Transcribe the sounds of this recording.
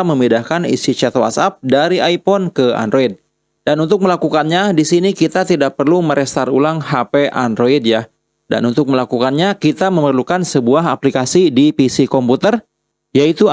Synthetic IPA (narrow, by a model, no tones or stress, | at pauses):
məmidahkanḭsit͡ʃɛt̪owa̰sap̚daɾiaipɔnkəa̰ndɾʔoid̚ | danunt̪ʊk̚məlakukanɲadisinikit̪at̪idak̚pərluməɾɛst̪arulaŋhapeʔandɾoid̚ja | da̰nunt̪ʊk̚məlakukanɲakit̪aməmərlukansəbuaɦaplikasidipisikɔmput̪ər | jait̪u